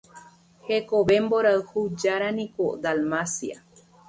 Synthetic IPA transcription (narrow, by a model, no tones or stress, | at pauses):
hekoβemboɾaɨhud͡ʒaɾanĩkod̪almasia̰